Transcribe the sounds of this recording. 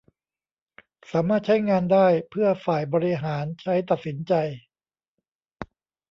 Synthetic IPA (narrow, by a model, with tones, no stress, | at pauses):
saː˩˦maː˥˩t̪̚t͡ɕʰa˦˥jŋaː˧ndaː˥˩jpʰɯ˥˩ɐfaː˨˩jbɔː˧ɾi˧ɦaː˩˦nt͡ɕʰa˦˥jt̪a˨˩t̪̚si˩˦nt͡ɕa˧j